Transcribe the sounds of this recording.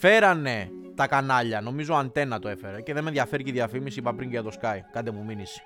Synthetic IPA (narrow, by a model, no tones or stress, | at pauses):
fe̞ɾɐne̞ | t̪ɐkɐnɐʎɐno̞mizo̞ɐnt̪e̞nɐt̪oe̞fe̞ɾece̞ðemenðʝɐfe̞ɾiciðjɐfimisiipɐpɾiɲɟɐt̪o̞skɐikɐnd̪emuminis